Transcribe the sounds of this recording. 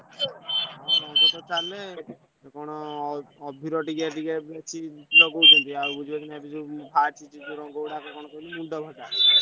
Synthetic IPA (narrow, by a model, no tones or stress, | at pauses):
ɾɔŋɡɔt̪ɔt͡ʃale | kɔɽ̃ɔː | bʱiɾɔʈiɡaʈiɡɛbɛt͡ʃʰilɔɡowt̪unt̪iabud͡ʒʱibat͡ʃʰinɛbid͡ʒubʱat͡ʃʰit͡ʃid͡ʒuɾɔŋɡɔɽakɔkɔɽ̃ɔkɔilimuɳɖɔbʱɔd͡ʒa